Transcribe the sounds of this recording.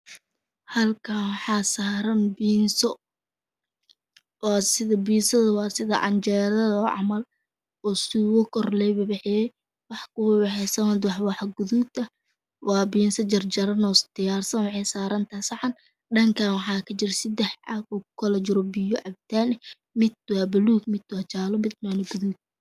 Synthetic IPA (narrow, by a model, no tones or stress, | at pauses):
hɐlkʰanwɑħɑːsaːɾɐnbiːnsɔ | wɑːsɪðɐbiːnsɐðɐwɑːsɪðɐʔɐ̰nt͡ʃɛːɾɐðɔːʕɑ̰mɐl | ɔːsɪɣʊkʰɔrlɛjbɐbɛħɪjɛj | wɑħkʰʊbɛħɛsɐnɐd̪wɑħwɑħɡʊðut̪ɐ | wɑːbiːnsɐd͡ʒɐrd͡ʒɐɾɐnɔːsd̪ɪjaːrsɐnwɑħɑjsaːɾɐnt̪ʰɐsɑħɑn | ɖɐŋkʰaːnwɑħɑːkʰɐt͡ʃɪrsɪd̪ɛħʕaːbɔʊkʰɐlɐt͡ʃɪɾɔbɪjɔʕɑb̚t̪ʰaːnɛ | mɪd̪̚wɑːbɐluːɡmɪd̪waːt͡ʃaːlɔmɪd̪nanɔɡʊðuːd̪̚